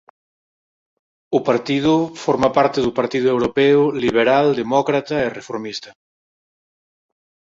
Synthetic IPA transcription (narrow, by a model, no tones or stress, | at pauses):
ʊpaɾt̪iðʊfɔɾmapaɾt̪eðupaɾt̪iðʊewɾopɛʊliβ̞eɾald̪emɔkɾat̪ɐerefoɾmist̪ɐ